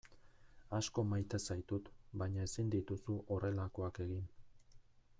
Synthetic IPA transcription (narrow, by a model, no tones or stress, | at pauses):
asko̞majt̪esajt̪ut̪baɲae̞sind̪it̪usuʔo̞re̞lako̞ake̞ɣin